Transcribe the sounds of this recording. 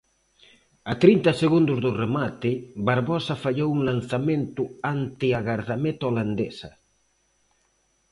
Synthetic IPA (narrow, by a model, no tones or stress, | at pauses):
at̪ɾint̪ɐseɣund̪ʊzðʊremat̪ɪbaɾβɔsɐfaʎowuŋlanθament̪ʊant̪ɪaɣaɾðamet̪oland̪esɐ